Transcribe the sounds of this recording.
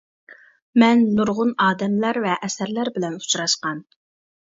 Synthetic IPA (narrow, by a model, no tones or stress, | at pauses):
mɛnːuɾʁʊnɑːd̪ɛmlæɾvɛʔɛsɛɾlæɾbɪlɛnu̥t͡ʃɾɑʃqɑn